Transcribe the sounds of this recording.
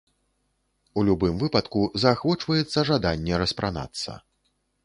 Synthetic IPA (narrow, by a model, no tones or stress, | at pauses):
ulʲubɨmvɨpɐt̪kuzɐːxvɔt͡ʂvɐjɛt̪sːɐʐad̪anʲːɛɾɐspɾʔana̰t̪sːɐ̰